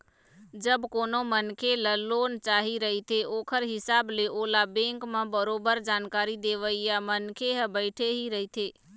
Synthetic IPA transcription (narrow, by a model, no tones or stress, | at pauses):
d͡ʒəbkonomənkʰeləlːont͡ʃaɦiɾəɦit̪ʰeokʰəɾɦɪsableʔolabẽŋkmẽbəɾobəɾd͡ʒankaɾid̪eʋəijamənkʰeɦbəɪʈʰeɦiɾəɦt̪ʰe